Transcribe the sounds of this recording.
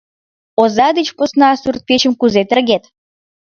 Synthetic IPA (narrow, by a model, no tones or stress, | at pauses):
ozɑd̪ət͡ɕposnɑsurt̪̚pʲet͡ɕə̆mkuzet̪ə̆rɣʲet̪